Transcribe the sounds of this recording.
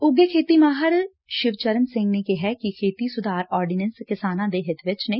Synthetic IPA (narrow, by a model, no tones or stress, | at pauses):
ʊɡekʰeːt̪iːmaːɦəɾ | ʃɪʋt͡ʃəɾənsɪ̃ŋɡneːkɪɦɛːkɪkʰeːt̪iːsʊd̪aːɾɔːɾɖɪnɛ̃nskɪsaːnãːd̪eːɦɪt̪ʰʋɪt͡ʃneː